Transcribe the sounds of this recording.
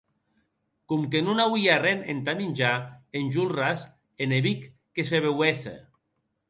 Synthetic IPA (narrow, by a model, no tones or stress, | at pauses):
kumk̬enunawiarenḛnt̪aminʲd͡ʒaenʲʒulras | eneβikː | es̬eβewesḛ